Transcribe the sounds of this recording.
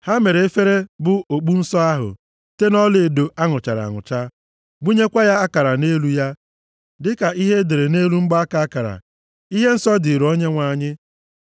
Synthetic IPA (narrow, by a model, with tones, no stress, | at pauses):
ha˦me˨ɾe˨e˦fe˦ɾe˦bʊ˨o˨k͡pu˦n̩˦sɔ˦a˦ɦʊ̰˨ | te˦nɔ˦lɪ˦˨do˨ʔa˦ŋʊ˨t͡ʃa˨ɾa̰˨ŋʊ̰˨t͡ʃa˦ | bu˦ɲe˦kʷa˦ja˦a˦ka˨ɾa˨ne˦lu˦ja˦ | dɪ˦ka˨ʔi˦ɦe˦de˨ɾe˨ne˦lu˦ŋ͡m̩˦ɡ͡ba˦a˦ka˨a˦ka˨ɾa̰˨ | i˦ɦe˦n̩˦sɔ˦dɪ˨ɾo˦ɲe˦ŋʷa˨ɲɪ˦